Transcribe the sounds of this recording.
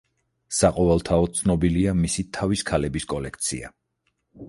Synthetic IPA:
saqʼɔvɛlˠt̪ʰaɔt̪t̪sʰnɔbiliamisit̪ʰaviskʰalɛbiskʼɔlɛk̚ʰt̪sʰḭa̰

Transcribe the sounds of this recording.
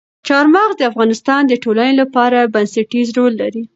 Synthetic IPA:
t͡ʃɑɾmɑɣd̪əafɣɑnɪst̪ɑnd̪əʈolanelapɑɾabansaʈizɾolːaɾi

